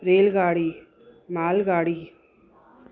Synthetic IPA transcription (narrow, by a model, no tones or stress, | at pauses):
ɾeːlɣaːɽi | maːlɣaːɽi